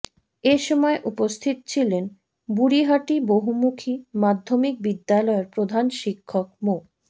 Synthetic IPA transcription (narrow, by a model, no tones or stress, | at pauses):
eʃɔmɔeʔupost̪ʰit̪t͡ɕʰilen | buɾiɦaʈiboɦumukʰimad̪ʱːomik̚bid̪ːalɔeɾpɾod̪ʱanʃikʰːok̚mo